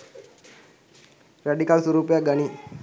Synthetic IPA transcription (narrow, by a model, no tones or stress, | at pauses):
ɾaɖikalsuɾuːpjaɡɐni